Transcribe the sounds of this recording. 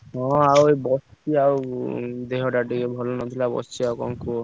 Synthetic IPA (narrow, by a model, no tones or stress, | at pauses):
ɦɔ̃awebɔst͡ʃiawd̪eɦɔʈaʈikebʱɔlonɔt̪ʰilabɔ̰st͡ʃiawkɔ̰ŋku